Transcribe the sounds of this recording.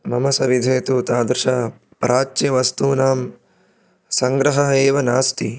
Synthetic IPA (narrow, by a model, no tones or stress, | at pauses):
mɐmɐsɐʋid̪ʱeːt̪uːt̪aːd̪ɾɪʃaː | pɾʔaːt͡ʃːɐʋɐst̪uːnaːm | sɐŋɡɾɐɦɐɦɐeːʋɐnaːst̪i